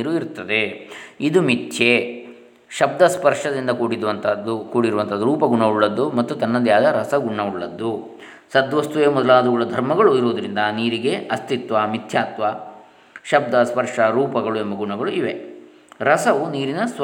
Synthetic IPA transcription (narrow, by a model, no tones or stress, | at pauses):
ɾuiɾt̪ːɐd̪eid̪umitːt͡ʃe | ʃɐb̚d̪ɐspɐɾʂɐd̪ind̪ɐkuːɽid̪ʋɐnt̪ʰɐd̪ukuːɽiɾuʋɐnt̪ʰɐd̪uɾuːpɐɡuɳɐuɭːɐd̪ːumɐt̪ːut̪ɐnːɐnd̪jaːd̪ɐɾɐsɐɡuɳːɐuɭːɐd̪ːu | sɐd̪ʋɐst̪uʋeːmɔd̪ɐlaːd̪ɐɡuɭɐd̪ʱɐɾmɐɡɐɭuiɾoːd̪ɐɾind̪ɐniːɾiɡe̞ɐst̪it̪ʋɐmit̪ʰjaːt̪ʋɐ | ʃɐb̚d̪ɐspɐɾʂɐɾuːpɐɡɐɭuɛmbɐɡuɳɐɡɐɭuiʋe̞ | ɾɐsɐʋuniːɾinɐs